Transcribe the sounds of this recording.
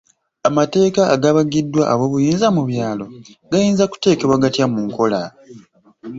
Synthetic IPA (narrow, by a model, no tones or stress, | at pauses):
amate̞ːkaːɡaβaɡidːwaʔaβwo̞βujiːnzamuβjaːlo̞ɡajiːnzaku̥te̞ːke̞βwaɡatjamuŋko̞la